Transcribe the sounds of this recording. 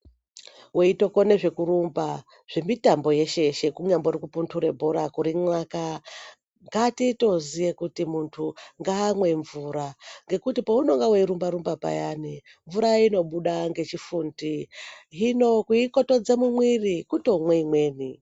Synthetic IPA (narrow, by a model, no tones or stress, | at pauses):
weito̞ko̞ne̞ʐe̞kuɾumba | ʐ̥e̞mitambo̞je̞ʃe̞ʃe̞kuɲamboɾikupuntʰuɾe̞bʱoɾakuɾimwaka | ŋɡatito̞zijekutimuntʰuŋɡaːmwe̞ɱvuɾaŋɡe̞kutipouno̞ŋɡaweiɾumbaɾumbapa̰jani | ɱvuɾaino̞ɓuɗaŋɡe̞t͡ʃifundiɦinokuikoto̞d͡zemumwirikuto̞mweimwe̞ːni